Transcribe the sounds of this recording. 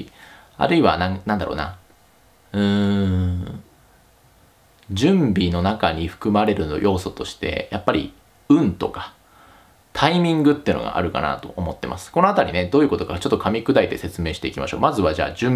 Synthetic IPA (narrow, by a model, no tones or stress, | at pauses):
a̰ɾɯ̟iβanãŋnãnd̪aɾo̰ːna̰ | ɯ̃ː | d͡ʑɨ̃mbʲino̞nakaɲ̟iɸɯ̟̥kɯ̟maɾe̞ɾɯ̟no̰jʔo̞ːso̞t̪o̞ɕi̥t̪e̞̰jʔapːaɾʲḭ | ɯ̟̃nt̪o̞̰kḁ | t̪ʰaimʲĩŋɡɯ̟t̪ːeiɯ̟noɡa̰ʔa̰ɾɯ̟ka̰na̰t̪o̞̰ʔomo̞t̪ːe̞̰mʔa̰sɨ̥ko̞noat̪aɾʲine̞d̪oːjɯ̟ko̞t̪o̞kat͡ɕo̞t̪ːokʰamʲikɯd̪ait̪e̞se̞t͡sɨme̞ːɕi̥t̪e̞ikʲima̰ɕo̞ːmazɨβad͡ʑa̰ːd͡ʑɨ̃m